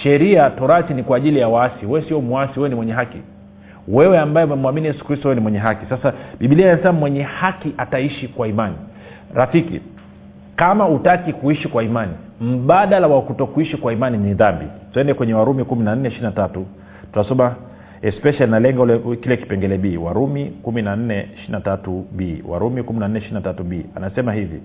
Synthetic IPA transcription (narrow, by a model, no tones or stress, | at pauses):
ʃɛɾiatɔɾasinikwaːʄilijawaasiwɛwɛsiɔmuasiwɛwɛnimwɛɲɛɦakḭ | wɛwɛambajɛmɛmuaminijɛsu̥kɾistɔwɛwɛnimwɛɲɛɦakisasaɓiɓiliajansammwɛɲɛhakiʔataiʃikwaimanḭ | ɾafikḭ | kamautakikuiʃikwaimanim̩ɓaɗalawakutɔkuiʃikwaimaniniðambḭtuɛndɛkwɛɲɛwaɾumikuminan̩nɛiʃiinatatu | tutasɔma | ɛspɛʃalinalɛŋɡaulɛkilɛki̥pɛŋɡɛlɛɓiːwa̰ɾumikuminan̩nɛiʃiinatatuɓiːwa̰ɾumikuminanɛiʃiinatatuɓiːa̰nasɛmahivḭ